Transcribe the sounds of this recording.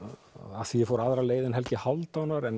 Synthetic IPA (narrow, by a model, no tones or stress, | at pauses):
aθiɪfowɾaðɾaleːjðɪnɦɛlcɪhawlt̪awnaɾɛn